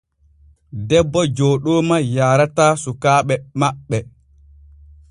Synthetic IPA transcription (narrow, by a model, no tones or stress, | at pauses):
dɛbːɔd͡ʒɔːɗɔːmajaːɾatasukaːɓɛmaɓːɛ